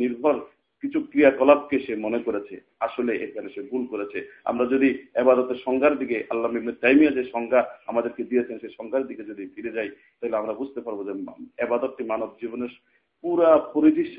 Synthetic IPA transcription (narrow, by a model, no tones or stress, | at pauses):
niɾbʱɔɾ | kit͡ɕʰukɾijakɔlab̚keʃemonekoɾet͡ɕʰḛ | aʃoleʔḛkʰaneʃeɡulkoɾet͡ɕʰea̰mɾad͡ʑod̪iebad̪ɔt̪eʃɔŋɡʱaɾd̪ikeʔalːamiɡ̚meɾt̪ajmijad͡ʑeʃɔŋɡʱaamad̪eɾked̪ijet͡ɕʰenʃejʃɔŋɡʰʱaɾd̪iɡed͡ʑod̪ifiɾed͡ʑaj | t̪aɦileamɾabud͡ʑʱt̪epaɾbod͡ʑeebad̪ot̪̚ʈimanob̚d͡ʑiboneɾ | puɾapoɾid͡ʑiʃ